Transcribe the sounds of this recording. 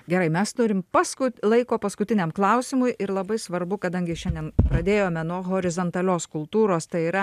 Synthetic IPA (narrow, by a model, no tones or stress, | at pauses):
ɡʲɛɾɐɪmʲɛst̪ʊɾʲɪmpɑskʊlˠɐɪkoːpɐskʊt̪ʲɪnʲɛmklˠɐʊsʲɪmʊjʔɪɾlˠɐbɐɪsʋɐɾbʊkɐd̪ɐŋʲɡʲɪʃʲɛndʲɛnpɾɐd̪ʲeːjoːmʲɛnuɔɣoːɾʲɪzoːnt̪ɐlʲoːskʊlˠt̪uːɾoːst̪ɐɪiːɾɐ